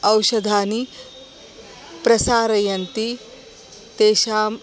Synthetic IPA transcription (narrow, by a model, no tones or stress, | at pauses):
ɐwʃɐd̪ʱaːni | pɾɐsaːɾɐjɐnt̪i | t̪eːʃaːm